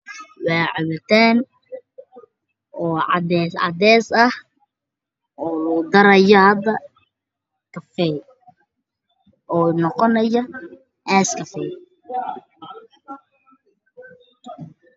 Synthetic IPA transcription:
waːʕɪβɐt̪ʰaːn | ɔːʕɑ̰dɛsʕɑ̰d̪ɛːsɐh | ʔɔːlʊd̪ɐɾɐjɔhɐd̪ːɐ | kʰɐfɛ | ʔɔːnɔqɔnɐjɐ | ʔɛːskʰɐfɛ

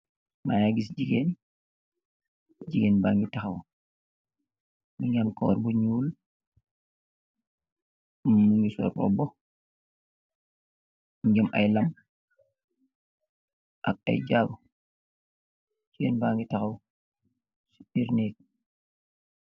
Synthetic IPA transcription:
majaɡisd͡ʒiɡen | d͡ʒiɡeːnbaŋɡitaxaw | miɲamkɔ̰ːɾbuɲuːl | muŋɡisɔ̰ːɾɔ̰bɔ | miɡɐmʔa̰jlɐm | ʔa̰k̚a̰jd͡ʒaːbu | d͡ʒiɡenbaːŋɡitaxaw | siiɾnek̚

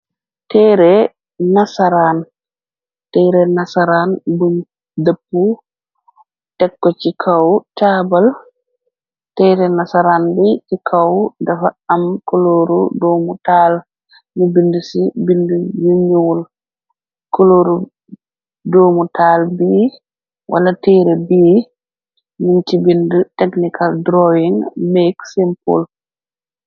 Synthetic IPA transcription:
tɛɾɛ | nasaɾan | tɛɾɛnasaɾanbum | depːu | tɛkːɔt͡ʃikʰawtabal | tɛɾɛnasaɾanbɛtikʰawdafaamkoloɾudoːmutaːl | nubindusibindujuɲol | kɔloɾu | doːmutaːlbi | wʔa̰latɛːɾɛbiː | nuntibindutɛknikʰaldɾɔjiŋmɛksɛmpɔ̰l

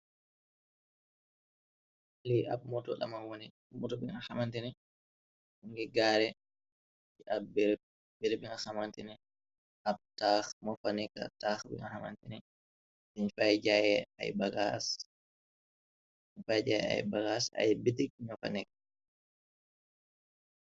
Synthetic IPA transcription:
lɛja̰b̚mɔtɔɗa̰manwoni | mɔtɔbiŋɡahamantɛnɛ | uŋɡɛɡaɾɛ | iʔabɛɾ | bɛɾbiŋahamantɛnɛ | ʔab̚taxmɔfanɛka̰taxbḭŋɡahama̰ntɛnɛ | iɲfajd͡ʒajɛa̰jbaɡas | iɲfajd͡ʒajɛ̰a̰jbaɡasa̰jbidik̚iɲɔfa̰nɛkḁ

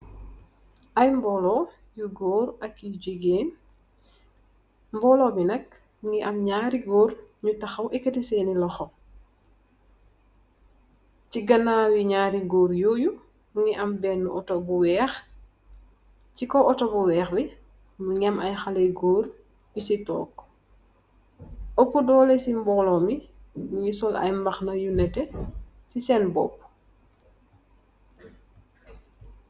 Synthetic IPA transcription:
ʔɐjmbɔlɔ | juɡɔːɾɐkːid͡ʒiɡeːn | mbɔːlɔːbinɐk̚ | ŋiʔɐmɲaːɾiɡoːɾɲutɐxɐwʔɛkɐtisɛːnilɔxɔ | ciɡɐnaːwiɲaːɾiɡoːɾjoːju | uŋiʔɐmbɛːnːuʔɔtɔbuwɛːx | cikɔʔɔtɔbuwɛːxbi | muɲɛmɐjxɐleɡoːɾ | bisitɔ̰ːk | ʔɔpːudɔːlesimbɔːlɔmimuŋisɔlɐ̰jmbɐxnɐjunɛtɛ | sisɛnbɔ̰pː

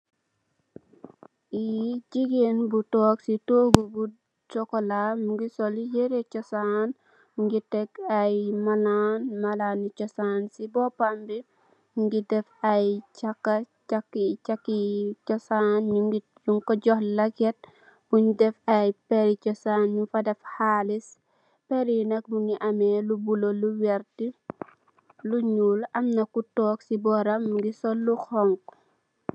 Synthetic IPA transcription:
id͡ʒiɡenbutɔksitoɡubu | t͡ʃɔkɔlamɡisolijeɾet͡ʃɔsan | ŋɡitɛkajmalanmalanit͡ʃɔsansibɔpambi | ŋɡidɛfajt͡ʃakːa | t͡ʃakːit͡ʃakːit͡ʃɔsanɲuŋɡi | juŋkɔɟɔhlɐkɛt̚ | b̥uɲdɛfajpɛɾit͡ʃɔsanɲufɐdɛfhalis | pɛɾinɐk̚muŋɡiʔamɛlubuloluwɛɾti | luɲulɐmnɐkutɔːksibɔɾɐmɡisɔlːuxɔŋk

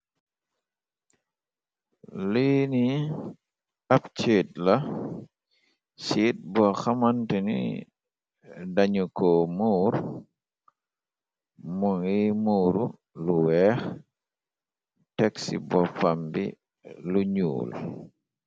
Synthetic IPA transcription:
liːni | apt͡ʃeːt̚la | siːt̚bɔxamantɛnḭ | daɲukɔmuːɾ | muŋimuːɾu | luwɛx | tɛksḭbɔfambḭ | luɲṵːl

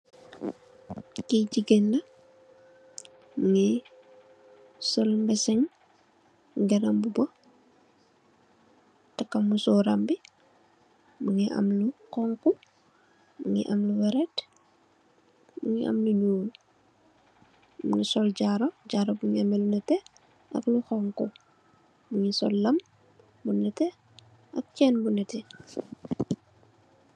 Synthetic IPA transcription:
kiɟiɡenlɐ | muŋi | sɔlmbɛsɛŋ | ɡɐnɐmbubɔ | tɐkːɐmusɔɾɐmbi | muŋiʔɐ̰mlukɔŋku | uŋḭʔɐmluwɛɾɛt | buŋiʔɐ̰mluɲuːl | mṵŋisɔlɟaɾɔɟaɾobuŋiɐmɛlunɛtɛ | ʔɐ̰kluxɔŋku | buŋisɔ̰lːɐm | bunɛtɛ | ʔɐk̚t͡ʃɛːnbunɛtɛ

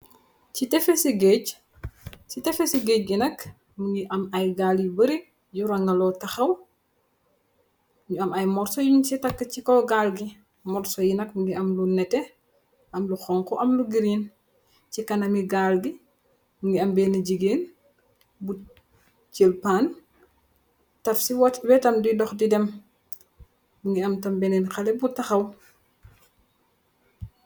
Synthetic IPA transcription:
citɛfesiɡec | t͡ʃitɛfesiɡeːc̚ɡinɐk | muŋɡiʔɐmɐjɡaːljibəɾi | juɾɐŋɡɐlɔtɐxɐw | ɲuɐmɐjmɔrsɔjuɲusitɐkːɐcikɔɡalɡi | mɔrsɔjinɐkmuŋɡiɐmlunɛtɛ | ʔɐmluxɔŋkɔʔɐmluɡiɾiːn | cikɐnɐmiɡalɡi | muŋɡiɐmbɛːnɐɟiɡeːn | bu | t͡ʃelpaːn | tɐfsiwɐtwɛtɐmduidɔxdidɛm | buŋɡiɐmtɐmbɛnɛnxɐlɛbutːɐxɐw

